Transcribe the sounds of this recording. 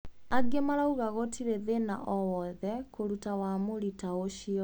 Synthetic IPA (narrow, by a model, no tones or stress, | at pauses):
aɡemaɾauɣaɣotʰiɾeðena̰ʔɔwɔðɛkoɾutawamoɾitaoʃiɔ